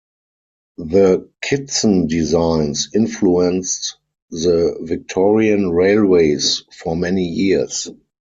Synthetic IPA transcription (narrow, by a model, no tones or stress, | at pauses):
ðəkʰɪtsə̃ndizãɪ̃nsɪ̃nfluɛ̃nst | ðəvɪk̚tʰɔɹiə̃nɹeɪlweɪsfɔmɛnijis